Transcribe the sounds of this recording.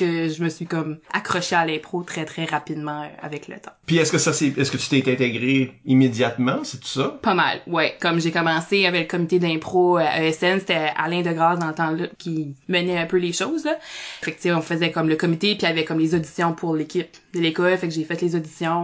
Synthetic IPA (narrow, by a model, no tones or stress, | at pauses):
kəʒəməsɥikɔma̰kχɔʃealɛ̃pχot̪χɛt̪χɛʁapid̪mɑ̃øa̰vɛklə̰t̪ã̰piɛskəsasɛɛskət̪y̥t̪ɛt̪ɛ̃t̪eɡʁeimed̪jat̪mɑ̃sɛt̪y̥sɔpʌma̰lwɛkɔmʒekɔmɑ̃sejavɛləkɔmit̪ed̪ɛ̃pχoʔøɛsɛnse̥t̪ɛa̰lɛ̃d̪əɡʁɑːsd̪ɑ̃lət̪ɑ̃lʌkʲimənɛœ̃pøleʃoːzlʌfɛk̚t͡sseɔ̃fəzɛkɔmləkɔmit̪epiavɛkɔmlezod̪i̥sjɔ̃pʰʊʁlekʲɪp̚d̪əlekɔlfɛkʒefɛt̪lezod̪isjɔ̃